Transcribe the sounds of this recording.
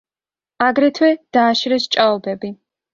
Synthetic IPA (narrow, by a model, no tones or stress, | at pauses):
aɡɾɛt̪ʰwɛd̪̥aːʃɾɛst͡ʃʼaɔbɛbi